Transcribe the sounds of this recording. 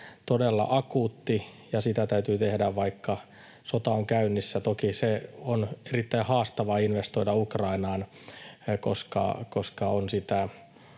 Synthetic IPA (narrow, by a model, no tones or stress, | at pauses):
t̪odelːɑ̰ʔɑkuːt̪ːijɑsit̪æt̪æyt̪yːt̪ehdæʋʋɑikːɑ | sot̪ɑoŋkæynːisːæt̪okiseonerit̪ːæihɑːst̪ɑʋɑinʋest̪oidɑukrɑinɑːn | ko̰skɑ̰koskɑonsit̪æ